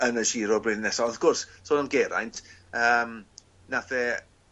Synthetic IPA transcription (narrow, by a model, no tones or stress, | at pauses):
ənəʃiːɾɔbriːðnɛsɔɡ̥ʊrssoːnanɡɛɾa̰jntʰəːm | naθɛ